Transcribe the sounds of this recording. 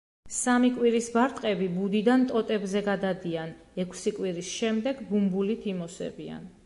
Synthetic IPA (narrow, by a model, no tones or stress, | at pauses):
samikʼwiɾisbaɾt̪ʼqʼɛbibud̪id̪ant̪ʼɔt̪ʼɛbzɛɡad̪ad̪ian | ɛkʰsikʼwiɾisʃɛmd̪ɛɡbumbulit̪ʰimɔsɛ̰bia̰n